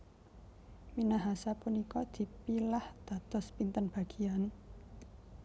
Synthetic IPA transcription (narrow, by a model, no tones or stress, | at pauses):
minaɦasapunikɔd̪̥i̤pilahd̪̥a̤d̪̥ɔspint̪ənb̥a̤ɡ̥i̤an